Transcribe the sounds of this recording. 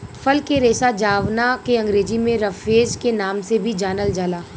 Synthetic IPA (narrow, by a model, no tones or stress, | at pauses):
fɐlkeɾeːsad͡ʒaːʋnakeɐ̃ŋɡɾeːd͡ʒimẽɾɐfeːd͡ʒkenaːmsebʱid͡ʒaːnəld͡ʒaːlaː